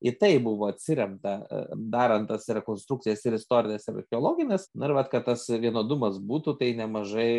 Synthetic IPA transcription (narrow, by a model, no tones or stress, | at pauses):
ɪt̪ɐɪbʊʋoːɐt̪ʲsʲɪɾʲɛmt̪ɐd̪ɑːɾɐnt̪ɐsɾʲɛkoːnst̪ɾuk̚t͡sʲɪjɛsɪɾɪst̪oːɾʲɪnʲesɪɾɐ̰xʲɛoːlˠoːɡʲɪnʲesnʊɪɾʋɐt̪kɐt̪t̪ɐsʋʲiɛnoːd̪ʊmɐsbuːt̪uːt̪ɐɪnʲɛmɐʒɐɪ